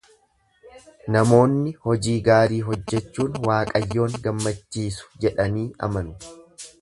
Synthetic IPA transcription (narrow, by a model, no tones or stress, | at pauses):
nɐmo̞ːnːɪhɔd͡ʒiːɡaːɾiːɦɔd͡ʒːɛt͡ʃːuːnwaːkʼɐjːo̞ːŋɡɐmːɐt͡ʃːiːsʊ̥d͡ʒɛᶑɐniːɐ̰mɐnʊ